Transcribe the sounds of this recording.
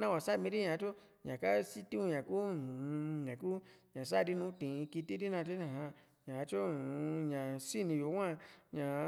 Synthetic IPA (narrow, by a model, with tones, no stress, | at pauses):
nã˦wã˨sa˦˨mĩ˧˦di˦ɲã˨˧t͡ʃo˦ | ɲã˨ka˦si˦ti˦u˧ɲã˨ku˦˨˧ | ɲã˨ku˦ɲã˨s̬a˦˨di˦nũ˧˦tĩ˨˧ki˧ti˦di˦nã˧te˦ã˨ɦã˧ | ɲã˨˧t͡ʃo˦˨˧ɲã˨si˦˨nĩ˧jo˨˦wa˧ɲã˨˧